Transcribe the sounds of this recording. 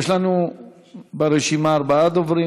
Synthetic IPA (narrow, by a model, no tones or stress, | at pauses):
eʃlanu | beɾeʃimaːɾbaad̪ovɾi